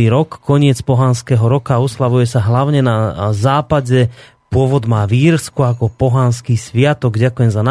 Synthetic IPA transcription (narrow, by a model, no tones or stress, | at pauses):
iːɾɔkːɔɲɪɛt͡spɔɦanskɛɦɔɾɔkaɔslaʋujɛsaɦlaʊɲɛnazaːpaɟɛ | pʊɔʋɔd̪maːʋiːɾskuakɔpɔɦanskiːsʋɪat̪ɔɡɟakujɛmzana